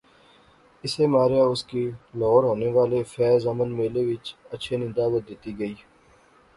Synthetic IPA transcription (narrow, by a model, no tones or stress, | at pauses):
ɪsemaːɾjaʊskilɔːɾɦoːneʋaːlefɛːzɐmənmeːleʋɪt͡ʃətːʃʰenɪ̃nd̪aːbət̪̚d̪ɪt̪iɡəiː